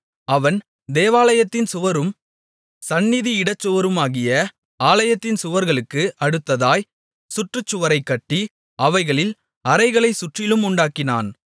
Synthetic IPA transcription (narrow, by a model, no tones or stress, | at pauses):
ɐʋɐn | d̪eːʋaːlɐjɐt̪ːɪnsʊʋɐɾɯm | sɐnːɪðiɪɽɐt͡ʃːɯʋɐɾɯmaːɣɪjɐ | aːlɐjɐt̪ːɪnsʊʋɐɾɣɐɭɯkːɯʔɐɽɯt̪ːɐðaːj | sʊʈrɯt͡ʃːʊʋɐɾɐɪkːɐʈːi | ɐʋɐɪɣɐɭɪl | ɐɾɐɪɣɐɭɐɪsʊʈrɪlɯmʊɳɖaːkːɪna̰ːn